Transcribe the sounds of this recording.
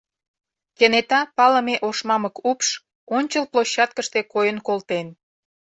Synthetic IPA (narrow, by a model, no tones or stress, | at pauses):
kenet̪ɑpɑləmeʔoʃmɑməkupʃ | onʲt͡ɕəlploɕːɑt̪̚kəʃt̪ekojənkolt̪en